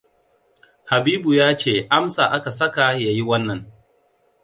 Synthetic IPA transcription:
ha˨biː˦bu˨jaː˦t͡ʃeː˦˨ʔa˦msa˨ʔa˦ka˨sɐ˦ka˨ja˨ji˦wɐ˦nːɐ˨ŋ

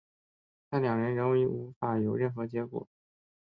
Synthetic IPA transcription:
t̪ʰa˥˩ljɑ˨˩ŋɻə˧˥nɻə˧˥nwi˧˥ʔu˧˥fa˨˩jo˨˩ʊɻə˥˩nxɤ˧˥t͡ɕjɛ˧˥kwɔ̰˨˩˦

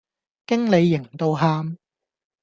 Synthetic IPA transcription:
kɪ˥ŋle˨˧jːɪ˨˩ŋt̪o˧wɦaː˧m

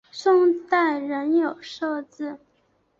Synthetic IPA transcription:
ʂʊ˥˧ŋt̪a˥˩ɪɻə˧˥njo˨˩ʊʂo˥˧ʊt͡sɹ̩˥˩

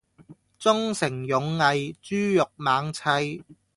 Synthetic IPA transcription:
t͡sʊ˥ŋsɪ˨˩ŋjʊ˨˧˥ŋːɐ˨˧jt͡syː˥jʊ˨k̚maː˨˥ŋt͡sʰɐ˧j

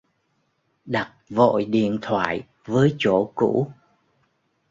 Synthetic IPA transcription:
ɗa˨˩t̚vo̰˧˨jɗḭ˧˨ənt̪ʰwa̰ː˧˨j | vəː˨˦jt͡ɕo˧˩kṵ˧˥

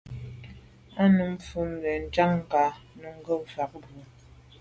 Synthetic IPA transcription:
a˦nu˨m̩˦fu˦mnə˨n̩˦t͡ʃa˦ŋ̩˨ka˨˦nu˦ŋ̩˦ɡə˦m̩˨fa˨k̚bu˨

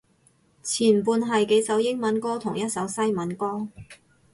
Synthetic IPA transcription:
t͡sʰiː˨˩nm˨puː˧nɦɐ˨jke˨˥jsɐ˨˥wjɪ˥ŋmɐ˨˥nkɔː˥t̪ʰʊ˨˩ŋjɐ˥t̚sɐ˨˥wsɐ˥jmɐ˨˥nkɔː˥

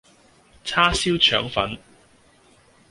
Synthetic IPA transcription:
t͡sʰaː˥siː˥wt͡ʃʰœ̰ː˨˥ŋfɐ̰˨˥n

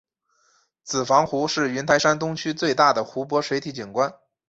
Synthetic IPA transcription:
t͡sɹ̩˨˩fɑ˧˥ŋxu˧˥ʂɻ̩˥˩y˧˥nt̪ʰa˧˥ɪʂa˥nt̪ʊ˥ŋt͡ɕʰy˥t͡swe˥˧ɪt̪a˥˩d̪ə˩xu˧˥p̬wɔ˧˥ʂwe˧˥ɪt̪ʰi˧˥t͡ɕi˨˩nkwa˥n

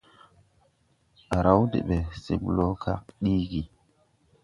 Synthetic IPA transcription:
a˨ɾa˦wdḛ˨ɓe˨si˦m˦lo˦ka̰˦k̚ɗi˦ɡi˨

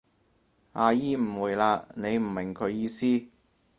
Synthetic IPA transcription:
aː˧jiː˥m̩˨˩wuː˨jlaː˧ne˨˧jm̩˨˩mɪ˨˩ŋkʰɵ˨˧ɥjiː˧siː˥

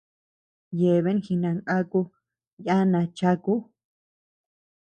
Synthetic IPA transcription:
je˨βe˦nxi˧nã˧˨ŋʔa˦ku˧ | ja˦nã˧t͡ʃa˦ku˦

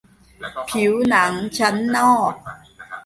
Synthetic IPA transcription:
pʰi˩˦wna˩˦ŋt͡ɕʰa˦˥nːɔː˥˩k̚

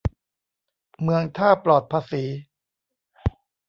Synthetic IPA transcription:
mɯ˧əŋt̪ʰaː˥˩plɔː˨˩t̪̚pʰaː˧siː˩˦

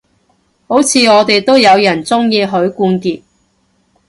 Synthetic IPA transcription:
ho˨˥wt͡sʰiː˨˧ɔː˨˧t̪e˨jt̪o˥wjɐ˨˧wjɐ˨˩nt͡sʊ˥ŋjiː˧ɦɵ˨˥ɥkuː˧nkiː˧t̚

